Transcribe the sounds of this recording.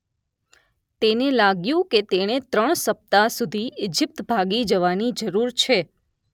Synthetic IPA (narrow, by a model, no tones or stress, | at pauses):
t̪enelaɡjũket̪eɽ̃et̪ɾəɳ̃səp̚t̪asud̪ʱied͡ʒɪp̚t̪bʱaɡid͡ʒəʋanid͡ʒəɾuɾt͡ʃʰe